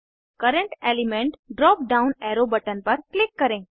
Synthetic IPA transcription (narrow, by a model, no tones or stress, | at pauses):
kəɾəɳʈelimẽɳʈɖɾɔp̚ɖaunɛɾobəʈənpəɾklɪkːəɾẽ